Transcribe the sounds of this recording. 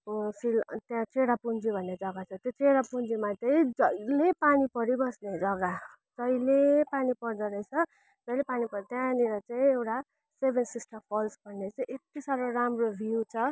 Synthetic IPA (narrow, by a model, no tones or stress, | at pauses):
silt̪jãt͡seɽapund͡zibʱʌnːed͡zʌɡat͡sʰʌt̪jot͡seɽapund͡zimat̪ʌid͡zʌjlepanipʌɾibʌsned͡zʌɡa | d͡zʌjlepanipʌrd̪ʌɾʌjt͡sʰʌ | d͡zʌjlepanipʌɾt̪jãniɾʌt͡sãĩewʈa | sebʱensisʈʌpʰʌlsbʱʌnːet͡saĩʔekt̪isaɾoɾamrobʱiut͡sʰʌ